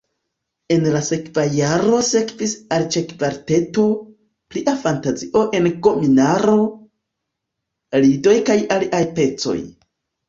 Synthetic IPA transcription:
e̞nlase̞kvajaɾo̞se̞kvisalt͡ʃekvaɾte̞to̞ | pliʔafantaziʔo̞ʔe̞nko̞minaɾo̞ | lido̞jkajaliʔajpe̞t͡so̞̰j

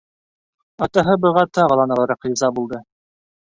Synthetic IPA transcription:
ɑt̪ɑɦɤbɤ̆ʁɑt̪ɑʁɤlˠɑnɤlˠɤ̆ɾɑqizɑbulˠd̪ɤ

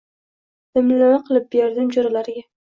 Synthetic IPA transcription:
d̪̥ɪmlɪlaɾaqʰɨlˠɪp̚beɾd̪ɪmd͡ʒoɾalaɾɪɡʲa

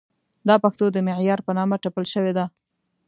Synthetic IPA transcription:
d̪ɑpaxt̪od̪əmɪʕjɑɾpənɑmaʈapəlʃəwed̪a

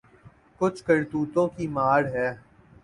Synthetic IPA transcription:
kʊt͡ʃʰkɐɽt̪uːt̪õːkimaːɽɦɛː

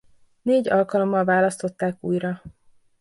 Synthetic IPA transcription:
neːɟɒlkɒlo̞mːɒlvaːlɒst̪o̞t̪ːaːkṵːjɾɒ

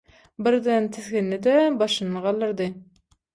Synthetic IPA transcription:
bɪɾd̪ɪnt̪ʰɪzɡʲɪnːɪd̪ɛbɑʃɨnɨʁɑlˠːɨɾd̪ɨ

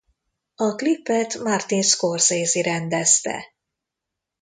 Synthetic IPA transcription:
ɒklipːɛt̪mart̪inskorzeːziɾɛnd̪ɛst̪ɛ̰

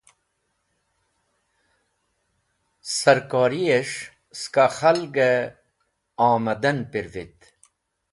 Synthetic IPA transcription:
sɐɾkaːɾieʂ | skaxɐlɡe | aːmɐd̪ɐnpiɾvit̪

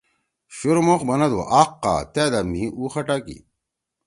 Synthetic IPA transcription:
ɕuɾmoχbɐnɐd̪o̰ʔaːqːa̰ːt̪eːd̪ɐmːiuːxɐʈakḭ

